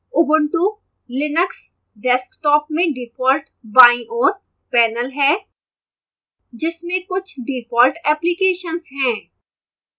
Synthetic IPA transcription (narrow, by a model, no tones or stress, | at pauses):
ʊbəɳʈu | lɪnəks | ɖɛskʈɔːpmẽɖɪfʰɔːlʈ | bãːĩʔɔːɾ | pɛːnəlɦɛː | d͡ʒɪsmẽkʊt͡ʃʰɖifʰɔːlʈɛːplikeːʃənsɦɛ̃ː